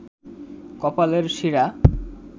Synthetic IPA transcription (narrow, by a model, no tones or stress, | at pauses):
kɔpaleɾʃiɾa